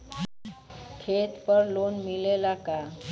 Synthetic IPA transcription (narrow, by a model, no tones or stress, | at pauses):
kʰet̪pəɾlonmilelaka